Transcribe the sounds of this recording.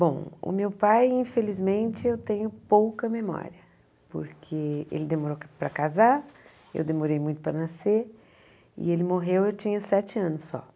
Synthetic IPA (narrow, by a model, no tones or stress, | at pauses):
bõw̃ʊ̰mewpajĩfelizmẽnt͡ʃɪewt̪ẽɲʊpowkɐmemɔ̰ɾiɐ | po̰ɾkʰeḛlɪd̪emoɾopɾɐkaza | ḛwd̪emoɾejmũj̃t̪ʊ̥pɾɐnase | ɪ̰elɪmoɦewewt͡ʃĩɲɐsɛt͡ʃɪɐ̃nʊsːɔ̰